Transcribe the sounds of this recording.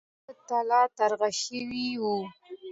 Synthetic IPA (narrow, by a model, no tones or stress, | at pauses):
t̪alɑt̪aɾɣaʃəwiwu